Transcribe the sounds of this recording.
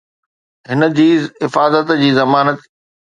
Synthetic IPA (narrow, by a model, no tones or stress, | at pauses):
ɦɪnə̆d͡ʑiːɪfaːzət̪d͡ʑiːzɐmaːnət̪